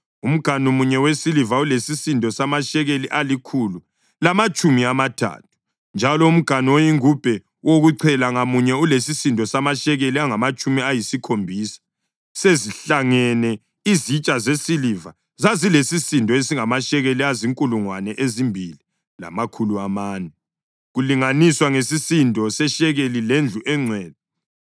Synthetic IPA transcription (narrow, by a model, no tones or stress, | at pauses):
um̩ɡ̥ʱanomuɲɛwesilivaulesisindʱʼɔsamaʃɛɣeliʔalikʰulu | lamat͡ʃʼumiamatʰa̰ːtʰu̥ | nd͡ʒʱalɔum̩ɡ̥ʱanwojiŋub̥ʱɛ | woɣuǀʰɛlaŋamuɲɛulesisindʱʼɔsamaʃɛɣeliaŋamat͡ʃʼumiajisikʰombʱiːsḁ | seziɬaŋɛnɛ | izit͡ʃʼazesiliva̰ | zazilesisindʱɔesiŋamaʃɛɣeliaziŋkʼuluŋwanɛʔezimbʱili | la̰makʰuluamaːnɛ | ɣuliŋaniswaŋesisintʼɔsɛʃɛɣelilend͡ɮʱuʔɛŋ͡ǀʱwɛːd̚ɛ